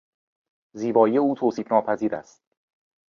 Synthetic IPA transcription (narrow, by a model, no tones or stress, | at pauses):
ziːbɒːije̞uːt̪ʰoːsiːfnɒːpʰæziːɾæ̰st̪̚